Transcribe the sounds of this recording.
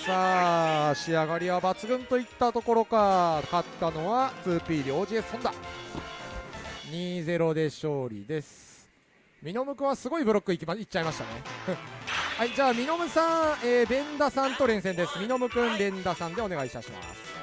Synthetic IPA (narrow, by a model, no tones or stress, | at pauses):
saːɕiaɡaɾʲiβabat͡sɨɡɯ̟̃nt̪o̞it̪ːat̪o̞ko̞ɾo̞kakat̪ːano̞βat͡sɨːpʲiːd̪eo̞ːd͡ʑiessõnd̪a | ɲ̟iːze̞ɾo̞d̪e̞ɕo̞ːɾʲḭd̪e̞sɨ̥ | mʲino̞mɯ̟kɯ̃ɰ̃asɨɡo̞ibɯɾo̞kːɯ̟imait͡ɕaimaɕi̥t̪a̰nẽ̞̰ | haid͡ʑaːmʲino̞mɯ̟sãeːbẽ̞nd̪asãnt̪o̞ɾẽ̞ɰ̃sẽnd̪e̞sɨmʲino̞mɯ̟kɯ̟̃mbẽ̞nd̪asãnd̪e̞o̞ne̞ɡait̪aɕima̰sɨ̥